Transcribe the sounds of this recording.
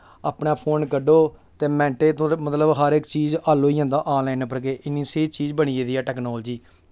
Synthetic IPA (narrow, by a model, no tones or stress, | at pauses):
aːpɳaːpʰoːnkəɖoːt̪eːmɛ̃ːɳʈeːt̪õːmət̪ləbɦəɾɪkt͡ʃiːzaːloːiːãːnd̪aːʔãːlɛːnpəɾkeːʔɪnĩːseːt͡ʃiːd͡ʒbəɳiːeːd̪iːɛːʈɛːknoːld͡ʒiː